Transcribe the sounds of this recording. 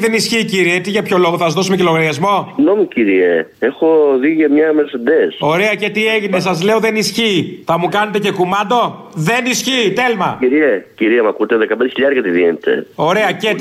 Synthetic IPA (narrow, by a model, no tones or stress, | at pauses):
ðe̞nisçiːciɾiet̪iʝɐpço̞lo̞ɣoθɐsɐzðo̞sumecilo̞ɣɐɾʝɐzmo̞siɣnomuciɾieexoðiʝemɲɐmesed̪eso̞ɾe̞ɐce̞t̪ie̞ʝine̞sɐzle̞o̞ðe̞nisçiːθɐmukɐne̞t̪̬ece̞kumɐnd̪o̞ | ðe̞nisçiːt̪elmɐiɾieciɾiemɐkut̪eðekɐpend̪eçiʎɐɾɐt̪iðinet̪e̞̰o̞ɾeɐcet̪